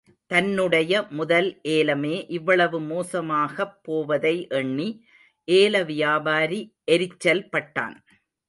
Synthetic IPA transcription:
t̪ɐnːɯɽɐjɐmʊðɐlʔeːlɐmeːʔɪʋːɐɭɐʋɯmoːsɐmaːɣɐpːoːʋɐðɐɪʔɛɳːi | ʔeːlɐʋɪjaːbaːɾiʔɛɾɪt͡ʃːɐlpɐʈːa̰ːn

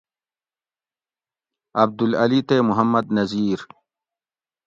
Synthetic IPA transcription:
ɐb̚d̪ulɐlit̪eːmuɦɐmːɐd̪nɐziːɾ

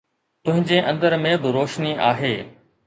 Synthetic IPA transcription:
t̪ʊ̃ɦɪ̃ɲd͡ʑeʔɐ̃nd̪əɾmẽbɪɾoːʃniʔaːɦeː

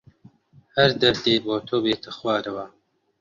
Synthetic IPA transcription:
hɐɾd̪ɐɾt̪eːboːt̪ʰoːbeːt̪ʰɨxwaːɾɐwa

